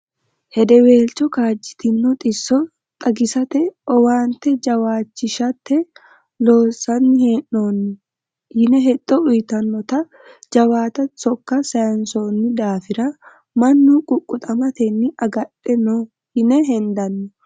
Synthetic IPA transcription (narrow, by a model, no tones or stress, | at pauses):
hɛd̪ɛwe̞ːlt͡ʃːɔkaːd͡ʒːɪ̥t̪ɪnːʊt̪ʼɪsːɔ | t̪ʼɐɡɪsɐt̪ɛɔwaːnt̪ːɛd͡ʒɐwaːt͡ʃːɪʃɐt̪ːɛ | lo̞ːsɐnːɪheːʔːoːnːʊ | hɪnɛɦɛt̪ʼːɔʊjt̪ɐnːɔt̪ɐ | d͡ʒɐwaːt̪ɐsɔkːɐsɐjɐnsoːnːɪd̪aːfɪɾɐ | mɐnːukʼʊkʼːʊt̪ʼɐmɐt̪ɛnːɪʔɐɡɐɗɛnoː | hɪnɛɦɛnd̪ɐnːɔ